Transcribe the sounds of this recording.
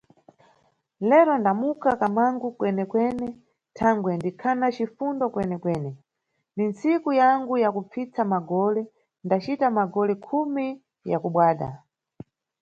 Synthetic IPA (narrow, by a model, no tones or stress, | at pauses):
lɛɾɔndamukakamaŋɡukwɛnɛkwɛnɛ | tʰaŋɡwɛndikʰanat͡ʃifundɔkwɛnɛkwɛːnɛ | nint͡sikujaŋɡujakup͡fit͡samaɡɔlɛ | ndat͡ʃitamaɡɔlɛkʰumi | jakuɓwaːɗa̰